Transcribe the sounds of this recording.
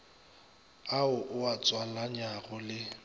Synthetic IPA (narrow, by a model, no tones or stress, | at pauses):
aʊʔʊat͡sʼwalaɲaɣʊlɪ